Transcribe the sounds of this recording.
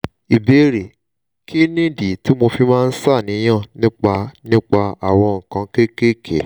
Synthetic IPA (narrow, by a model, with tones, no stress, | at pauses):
i˨be˧˦ɾe˨ | kʰi˦nĩ˦˨di˨ti˨˦mo˧fi˧mãː˦˧n̩˦sa˦˨nĩ˨˦j̃ã˦˨nĩ˦k͡pa˧nĩ˦k͡pa˧a˨w̃ɔ̃˧ŋ̩˨kã˨˧ke˦ke˦kʰḛ˨